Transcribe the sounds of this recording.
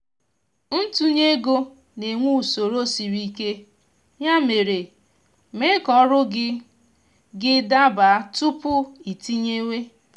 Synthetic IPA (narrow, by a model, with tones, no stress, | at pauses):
n̩˦tu˦ɲe˦ɡo˦ | ne˨ŋʷu˦˨so˨ɾo˦si˨ɾi˦ke˦ | ɲa˦me˨ɾe˨ | me˦kɔ˦ɾʊ˦ɡɪ˦ | ɡɪ˦da˦ba˨˦tʊ˦pʊ˦i˨ti˦ɲe˦we˦